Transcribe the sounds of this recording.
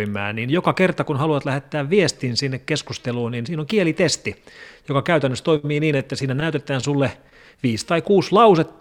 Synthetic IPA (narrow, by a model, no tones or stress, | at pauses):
imˑæ̰ːniːnjokɑkert̪ɑkunhɑluɑt̪læhet̪ːæːʋʋiest̪iːnsinːekkeskust̪eluːniːnsiːnoŋkielit̪est̪ijokɑkæyt̪ænːøst̪oimiːniːnet̪ːæsiːnænæyt̪et̪ˑæːnsulːe | ʋiːst̪ɑikuːslɑuset̪ː